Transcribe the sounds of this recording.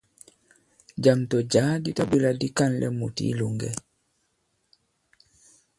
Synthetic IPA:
d͡ʒamtɔd͡ʒaːditabiladikanlʔɛ̰mutḭluŋɡɛ

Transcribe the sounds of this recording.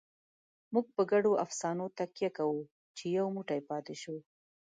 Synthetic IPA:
muɡ̚pəɡaɖoʔafsɑnot̪akjakawu | t͡ʃejawmuʈajpɑt̪eʃo

